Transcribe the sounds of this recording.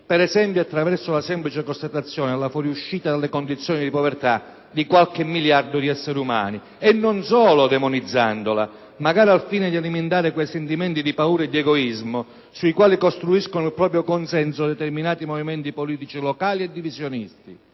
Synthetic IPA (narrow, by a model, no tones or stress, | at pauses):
pɛɾɛzɛmpjoat̪ːɾavɛrsʊlasɛmplit͡ʃɪkost̪at̪at̪sːjɔːnɪalːafɔɾjuʃːiːt̪ad̪alːɪkond̪it̪sːjɔːnid̪ipɔvɛrt̪a | d̪ikwalkɪmːiljard̪ʊd̪iɛsːeɾeuma̰ːni | ɛnːɔnsɔːlʊd̪ɛmʊnid̪zːa̰nd̪ola | maɡaːɾialfiːnɪd̪ialiment̪aːɾɪkwɛjsɛnt̪imɛnt̪id̪ipauːɾaɛd̪ːiɛɡɔizmʊ | suikwaːlikost̪ɾuiskonʊilpɾɔːpɾjokonsɛnsʊd̪ɛt̪ɛrminaːt̪imɔvimɛnt̪ipoliːt̪it͡ʃilɔkaːliɛd̪ːivizjonist̪i